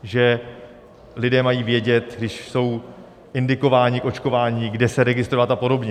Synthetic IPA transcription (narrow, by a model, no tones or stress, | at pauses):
ʒɛ | lɪdɛːmajiːvjɛɟɛt̪ɡdɪʃso̞w | ʔɪndɪko̞vaːɲɪkʔo̞t͡ʃko̞vaːɲiːɡdɛsɛɾɛɡɪst̪ɾo̞vat̪apo̞do̞bɲɛ